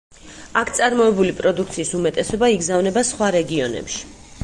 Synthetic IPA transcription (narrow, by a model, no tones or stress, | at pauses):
akʰt̪sʼaɾmɔɛbulipʼɾɔd̪ukʰt̪sʰiːsumɛt̪ʼɛsɔbaiɡzavnɛbasχwaɾɛɡiɔnɛ̰pʃi̥